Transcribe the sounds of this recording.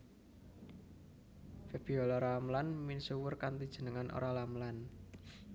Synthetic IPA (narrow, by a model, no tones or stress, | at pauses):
feb̥iɔlaɾamlanminsuwʊrkant̪id̥ʒ̥ə̤nəŋanʔo̰ɾalamlan